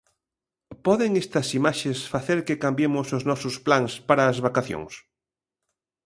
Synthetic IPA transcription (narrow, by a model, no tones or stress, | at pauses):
pɔðeŋest̪ɐsimaʃesfaθeɾkekambjemʊsoznɔsʊsplaŋspaɾɐːzβakaθjo̰ŋs